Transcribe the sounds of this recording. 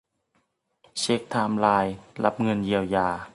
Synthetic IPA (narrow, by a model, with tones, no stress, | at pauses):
t͡ɕe˦˥k̚t̪ʰaː˧˩mlaː˧˩jla˦˥p̚ŋɤ˧˥˨nji˧˩əwjaː˧˩